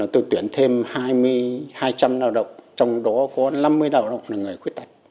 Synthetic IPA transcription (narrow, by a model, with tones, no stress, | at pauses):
nɔ˨˦t̪o˧jt̪wi˧˩ənt̪ʰe˧mhaː˧jmɨ˧əjhaː˧jt͡ɕa˧mnaː˧˩wɗə̰˧˨wŋ͡mt͡ɕɔ˧wŋ͡mɗɔ˨˦kɔ˨˦na˧mːɨ˧əjɗaː˨˩wɗə̰˧˨wŋ͡mlaː˨˩ŋɨ˨˩əjxwi˦˥t̚t̪a˨˩jt̚